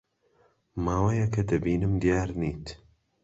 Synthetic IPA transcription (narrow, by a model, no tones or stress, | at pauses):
maːwɐjɐkʰɐd̪ɐbiːnɨmd̪ijaːɾniːt̪